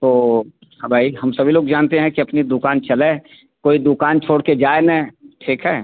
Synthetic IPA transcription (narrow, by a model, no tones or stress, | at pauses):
t̪oː | hãbʱaːiɦɐmsɐbʱiloːɡd͡ʒaːnt̪eɦɛ̃kiɐpnid̪ʊkaːnt͡ʃɐle | koːid̪ʊkaːnt͡ʃʰoːɽked͡ʒaːenɛ̃ʈʰiːkɦɛː